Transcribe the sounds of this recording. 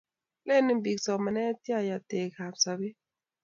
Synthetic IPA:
le˦˨nɪ˦mbi˨ksɔ˨ma˨nɛ˦tja˦˨ja˨te˨ka˨psa˨bi˦

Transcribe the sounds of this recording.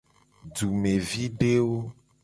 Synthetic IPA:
ɖu˨me˨vi˦ɖe˦wo˦

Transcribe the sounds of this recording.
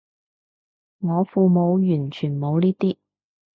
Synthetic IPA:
ŋɔː˨˧fuː˧mo˨˧wjyː˨˩nt͡ʃʰyː˨˩nmo˨˧wniː˥t̪iː˥

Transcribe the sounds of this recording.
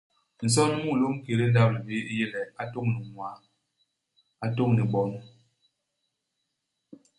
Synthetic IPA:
n̩˨s̬ɔ˦n˦mu˦˨lo˦ŋ̩˦ke˨le˦n̩˦da˦p̚ni˨be˦i˦je˦lɛ˨a˨to˦˨ŋnu˨ŋwa˨˦ | a˨to˦ŋni˨ɓɔ˦n

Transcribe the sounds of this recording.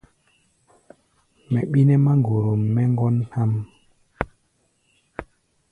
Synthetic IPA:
mɛ˨ɓi˦nɛ˦ma˦ŋɡo˨ɾo˨mːɛ˦ŋɡɔ˦nha˦m

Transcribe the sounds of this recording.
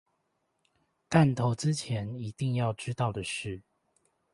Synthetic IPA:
t̪a˥˨nt̪ʰo˧˦ʊt͡s̩˦t͡ɕʰjɛ˧˦ni˧˦t̪i˥˧ŋjɑ˥˨˩ʊʈ͡ʂɻ̩˥t̪ɑ˥˨ʊd̪ə˩ʂɻ̩˥˩

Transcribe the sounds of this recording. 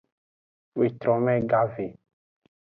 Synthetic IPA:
we˨t̪ɾɔ̃˨mɛ̃˦ɡa˦ve˨

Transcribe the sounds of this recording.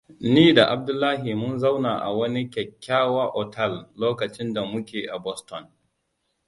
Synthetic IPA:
niː˦da˨ʔa˨b̚dʊ˦lːaː˦ɦi˨mʊ˦nza˦wnaː˨ʔa̰˨wɐ˦ni˦kʲɛ˨kʲːaː˦waː˦ʔɔ˨tʰɛ˦˨lloː˦kɐ˨t͡ʃɪ˦nda˨mʊ˦kʲeː˨ʔa˨bɔ˦stɔ˨n

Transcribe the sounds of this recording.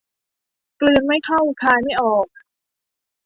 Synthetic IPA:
klɯː˧ənma˥˩jk̪ʰa˥˩wkʰaː˧jma˥˩jʔɔː˨˩k̚

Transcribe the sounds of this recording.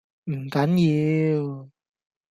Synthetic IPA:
m̩˨˩kɐ˨˥njiː˧w

